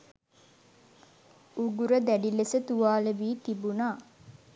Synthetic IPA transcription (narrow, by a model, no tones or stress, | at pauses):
uɡuɾəd̪æɖilesət̪uʋaːleʋiːt̪ibunaː